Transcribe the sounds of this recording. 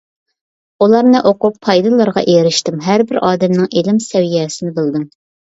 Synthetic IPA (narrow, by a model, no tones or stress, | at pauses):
ulˠɑɾnɨʔoqʊpʰːɑjd̪ɨlˠɑɾʁɑ̰ʔeɾɪʃt̪ɪmɦæɾbɪɾʔɑːd̪ɛmnɪŋʔelɪmsɛwijɛːsɪnɪbɨlˠd̪ɨm